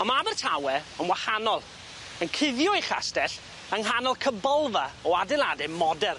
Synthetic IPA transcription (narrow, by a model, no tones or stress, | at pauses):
ɔmabərtʰawɛənwahanɔlˠ | ənkʰɪðjɔiχa̰stɛɬ | əŋɦanɔlˠkʰəbɔlˠvaɔadɛlˠadɛmɔdɛr